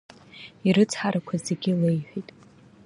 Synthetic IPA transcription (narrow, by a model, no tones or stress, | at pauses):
iɾɨt͡sʰħaɾakʷʰazeɡʲɪlejħʷᶣijtʼ